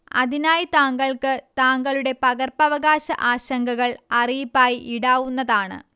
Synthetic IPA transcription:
ɐ̰ðinaːjit̪aːŋɡɐɭkɨt̪aːŋɡɐɭuɽe̞pɐɣɐrpɐʋɐɣaːɕɐ̰ʔaːɕɐŋɡɐɣɐɭɐrijipːaːjiʔiɽaːʋunːɐðaːɳɨ̰

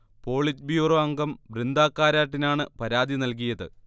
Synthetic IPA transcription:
po̞ːɭit͡ɕbjuːroɐŋɡɐmbrind̪aːkːaːɾaːʈːinaːɳɨpɐɾaːd̪inɐlk̬ijɐðɨ

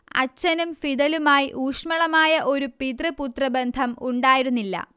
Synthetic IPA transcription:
ɐ̰t͡ɕːɐnumfid̪ɐlumaːjiʔuːʂmɐɭɐmaːjɐʔo̞ɾupid̪rɨput̪rɐbe̞nd̪ʱɐmuɳɖaːjiɾunːilːɐ̰

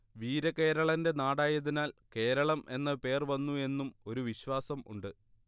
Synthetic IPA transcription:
ʋiːɾɐke̞ːɾɐɭɐnde̞naːɽaːjɐðinaːlke̞ːɾɐɭɐme̞nːɐpe̞ːrʋɐnːue̞nːumo̞ɾuʋiɕʋaːsɐmṵɳɖɨ

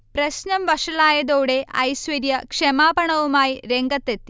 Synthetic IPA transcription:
prɐɕnɐmʋɐʂɐlaːjɐðoːɽe̞ʔɐ̰jsʋɐɾjɐkʂemaːbɐɳɐʋumaːjiɾe̞ŋɡɐt̪ːet̪ːi

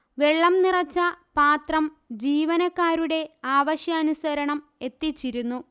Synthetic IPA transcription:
ʋe̞ɭːɐmnirɐt͡ɕːɐpaːt̪rɐm | d͡ʑiːʋɐnɐkːaːɾuɽe̞aːʋɐɕjɐːnusɐɾɐɳɐm | e̞t̪ːit͡ɕːiɾunːu

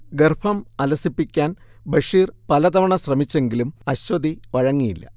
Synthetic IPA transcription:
ɡerpʰɐmɐlɐsipːikʲːaːnbɐʂiːrpɐlɐd̪ɐʋɐɳɐɕrɐmit͡ɕːe̞ŋɡilumɐɕwɐd̪ʱiʋɐɻɐŋːijilːɐ̰

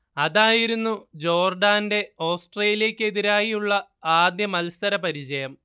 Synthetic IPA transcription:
ɐðaːjiɾunːud͡ʑo̞ːrɖaːnde̞oːsʈreːlijɐkʲːɨe̞ðiɾaːjiuɭːɐaːd̪jɐmɐlsɐɾɐpɐɾit͡ɕɐjɐm

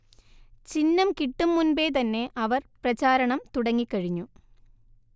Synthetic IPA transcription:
t͡ɕinːɐmkiʈːumːunbeːt̪ɐnːe̞ʔɐʋɐrprɐt͡ɕaːɾɐɳɐmt̪uɽɐŋːikːɐɻiɲːu

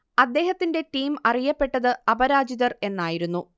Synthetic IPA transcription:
ɐd̪ːe̞ːhɐt̪ːinde̞ʈiːmɐrijɐpːe̞ʈːɐðɨɐbɐɾaːd͡ʑiðɐre̞nːaːjiɾunːu

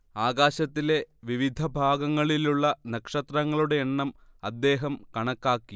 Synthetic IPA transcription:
aːɡaːɕɐt̪ːile̞ʋiʋid̪ʱɐbʱaːɡɐŋːɐɭiluɭːɐnɐkʂɐt̪rɐŋːɐɭuɽe̞ːɳːɐmɐd̪ːe̞ːɦɐmkɐɳɐkːaːkːi

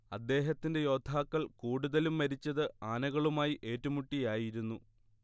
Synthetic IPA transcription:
ɐd̪ːe̞ːɦɐt̪ːinde̞jo̞ːd̪ʱːaːkːɐɭkuːɽuðɐlumːɐɾit͡ɕːɐðɨaːnɐɣɐɭumaːjiʔe̞ːtːumuʈːijaːjiɾunːu

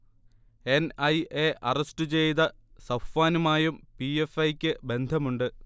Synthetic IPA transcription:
e̞nɐjeːʔɐrɐsʈɨt͡ɕejt̪ɐsɐfaːnumaːjumpiefɐjkʲːɨbe̞nd̪ʱɐmuɳɖɨ

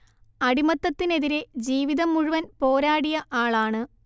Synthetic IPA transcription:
ɐɽimɐt̪ːɐt̪ːine̞ðiɾe̞d͡ʑiːʋiðɐmuɻuʋɐnpo̞ːɾaːɽijɐʔaːɭaːɳɨ

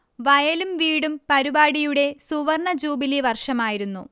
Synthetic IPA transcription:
ʋɐjɐlumʋiːɽumpɐɾubaːɽijuɽe̞suʋɐrɳɐd͡ʑuːbiliʋɐrʂɐmaːjiɾunːu

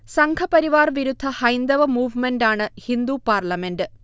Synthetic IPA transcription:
sɐŋkʰɐpɐɾiʋaːrʋiɾud̪ʱːɐhɐjnd̪ɐʋɐmuːʋmenɖaːɳɨhind̪upaːrlɐmendɨ

